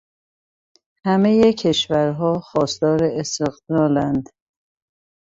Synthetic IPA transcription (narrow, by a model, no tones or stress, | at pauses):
hæmejecʰe̞ʃvæɾɦɒːxɒːst̪ɒːɾeest̪eɣd̪ɒːlænd̪